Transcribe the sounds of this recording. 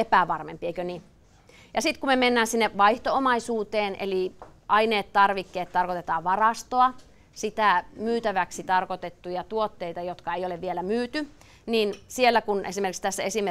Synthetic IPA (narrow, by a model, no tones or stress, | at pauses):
epæʋɑrmḛmpieikøni | jɑsit̪kumemenːæːnsinːeʋɑiht̪oomɑisuːt̪eːnʔḛliʔɑineːt̪t̪ɑrʋikːeːt̪t̪ɑrkot̪et̪ɑːʋʋɑrɑst̪oɑ | sit̪æˑmyːt̪æʋæksit̪ɑrkot̪et̪ːujɑt̪uot̪ːeit̪ɑjot̪kɑejoleʋielæmyːt̪y | niːnsielːækunʔḛsimerkikst̪æsːæesim